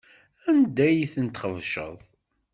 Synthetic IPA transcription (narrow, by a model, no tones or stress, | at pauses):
ænd̪æjiθənt̪χəvʃə̰ðˤ